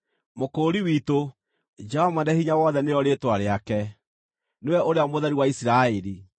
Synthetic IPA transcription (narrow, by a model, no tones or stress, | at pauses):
mokoːɾiwiːto | d͡ʒɛhɔmanɛhiɲawɔːðɛneɾɔɾetwaɾeakɛ | newɛoɾeamoðaɾiwaisiɾaeɾi